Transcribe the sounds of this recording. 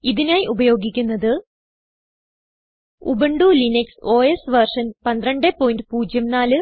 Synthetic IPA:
iðinaːjiʔubɐjo̞ːɡikʲːunːɐðɨ | ṵbɐɳɖulinekso̞ːesʋɐrʂɐnpɐnd̪rɐɳɖepːo̞ːjinɖɨpuːd͡ʑjɐmnaːlɨ

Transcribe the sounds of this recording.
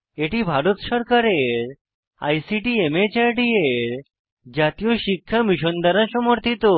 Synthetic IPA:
eʈibʱaɾut̪ɕəɾkaɾeɾ | a̰jsiʈiemet͡ɕaɾɖieɾ | d͡ʑat̪ijoɕikʰːjamiɕond̪aɾasɔmɔɾt̪it̪o

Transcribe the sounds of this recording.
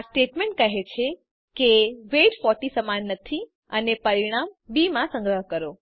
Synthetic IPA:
sʈeʈmẽɳʈ̚kəɦet͡ʃʰe | keʋeʈfɔɾʈisəmanːət̪ʰi | ənepəɾiɽ̃ambimãsə̃ŋɡɾəɦkəɾo

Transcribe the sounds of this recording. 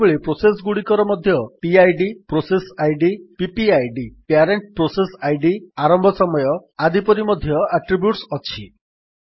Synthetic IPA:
beɭipɾosesɡuɽikɔɾɔmɔd̪ʱjɔpiajɖipɾosesajɖipipiajɖipeaɾeɳʈ̚pɾosesajɖiaɾɔmbʱɔsɔmɔjɔad̪ipɔɾimɔd̪ʱjɔaʈɾibjuʈsɔt͡ʃʰi

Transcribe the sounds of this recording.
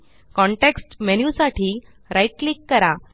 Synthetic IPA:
kɔ̃ɳʈeksʈmenjusaʈʰiː | ɾaiʈlikːəɾa

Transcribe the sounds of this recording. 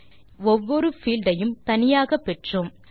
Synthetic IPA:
ɔʋːɔɾɯfiːlɖɐjɯmt̪ɐnɪjaːɣɐpːɛʈrɯm

